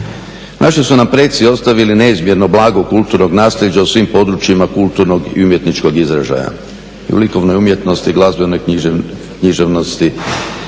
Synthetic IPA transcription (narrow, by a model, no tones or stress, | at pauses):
nʔaʃisunampɾet̪sio̞st̪aʋiline̞izmje̞ɾno̞blˠaːɡokulˠt̪uɾno̞ɡnaːsʎʲed͡ʑausʋimpo̞d̪ɾut͡ʃjimakulˠt̪uɾno̞ɡḭumje̞t̪nit͡ʃko̞ɡizɾaʒa̰ja̰ | iṵʋliko̞ʋnojumje̞t̪no̞st̪iɡlˠazbeno̞j | kɲiʒeʋno̞st̪i